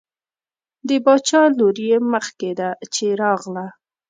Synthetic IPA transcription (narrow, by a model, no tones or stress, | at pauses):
d̪əbɑt͡ʃɑloɾjeməxked̪at͡ʃeɾɑɣla